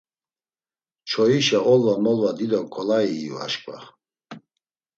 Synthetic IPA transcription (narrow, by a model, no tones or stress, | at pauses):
t͡ʃʰɔiʃaʔɔlvamɔlvad̪id̪ɔkʰʼɔlaiṵa̰ʃkʼwa